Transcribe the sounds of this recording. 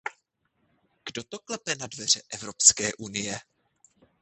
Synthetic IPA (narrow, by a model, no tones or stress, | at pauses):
ɡ̥do̞t̪o̞klɛpɛnadvɛr̝ɛʔɛvɾo̞pskɛːʔunɪjɛ